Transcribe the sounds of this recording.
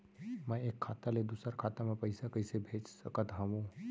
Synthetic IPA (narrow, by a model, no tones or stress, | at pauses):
mɛ̃eːkʰːaːt̪aled̪usəɾkʰaːt̪amẽpəɪsakəɪsebʱeːt͡ʃsə̰kət̪ɦə̃ʋũ